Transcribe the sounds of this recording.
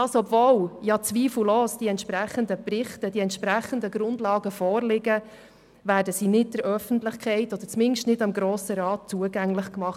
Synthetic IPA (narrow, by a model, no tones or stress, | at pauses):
ɑsɔbvoːljɑt͡sʋiːfl̩əloːsd̥iɛntʃpɾæχəndəprɪχtəd̥iɛntʃpɾæχəndəɡ̥ɾʊndlɑːɡəfɔːɾlɪɡə | væːɾdəsiːnɪd̚d̥ɛɾœfəntlɪχkʰɛɪtɔd̥̪əɾt͡smɪnʃtnɪdɑmɡɾoːsəɾɑːt̚t͡suəɡæŋlɪχkmɑχ